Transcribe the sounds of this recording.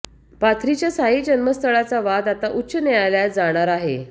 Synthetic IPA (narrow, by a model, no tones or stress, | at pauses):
pat̪ʰɾit͡ɕjasaɦiːd͡ʑənməst̪ʰəɭat͡saʋad̪at̪aʔuɕənjeajljad͡zaɽ̃aɾaɦe